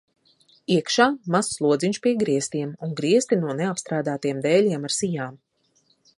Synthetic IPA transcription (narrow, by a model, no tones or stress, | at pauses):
iɛkʃaːmasːlˠuɔd̪ziɲʃpiɛɡɾiɛst̪iɛmuŋɡɾiɛst̪inuɔneapst̪ɾaːd̪aːt̪ijɛmd̪ɛːlʲiɛmaɾsijaːm